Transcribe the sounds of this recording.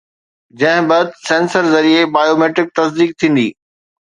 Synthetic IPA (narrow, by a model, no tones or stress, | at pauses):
d͡ʑɐ̃ɦɪ̃bɐd̪sẽːnsəɾzɐɾiebaːjoːmeːʈɪk̚t̪ɐsd̪iːk̚t̪ʰĩːn̆d̪iː